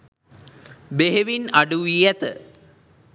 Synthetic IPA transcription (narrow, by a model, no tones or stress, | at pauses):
beɦeʋinɐɖuʋijat̪ə